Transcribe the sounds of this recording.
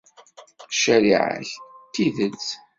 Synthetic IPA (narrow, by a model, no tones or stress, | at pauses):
ʃæɾiʕə̰çt̪ːiðət͡s